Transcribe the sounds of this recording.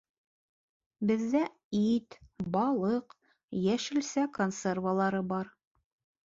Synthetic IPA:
bɘ̆ðːæ | it̪bɑlˠɤq | jæʃɘ̆lsækonservəlˠɑɾɤbɑɾ

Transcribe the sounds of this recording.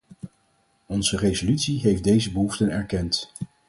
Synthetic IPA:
ɔnzərezolytsiɦejfdejzəbəɦuftənɛɹkɛnt

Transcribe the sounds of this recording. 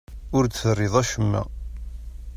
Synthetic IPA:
ʊɾθrˤːɪðˤæʃəmːæ̰

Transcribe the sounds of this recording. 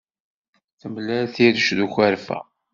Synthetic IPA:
θəmlæθiɾəʃðuçæɾfæ̰

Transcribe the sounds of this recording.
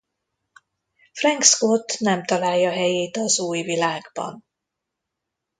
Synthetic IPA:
frɛŋkskot̪nɛmt̪ɒlaːjːɒɦɛjeːt̪ɒzuːjvilaːɡbɒ̰n

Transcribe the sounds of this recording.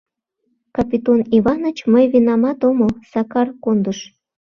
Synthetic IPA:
kɑpit̪oniβɑnət͡ɕməjvinɑmɑt̪oməlsɑkɑrkond̪əʃ

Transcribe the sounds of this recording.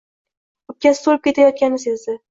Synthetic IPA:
ʊp̪̚kʲasɪ̥t̪oɾɪp̚kʲe̞t̪ʰajɒt̪̚kʲanɪsezd̪ɪ

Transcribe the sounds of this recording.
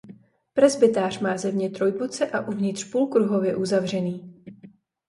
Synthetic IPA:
pɾɛzbɪt̪aːr̝maːzɛmɲɛt̪ɾo̞jbot͡sɛʔaʔuvɲɪt̪r̥puːlkɾuɦo̞vjɛʔuzavr̝ɛniː

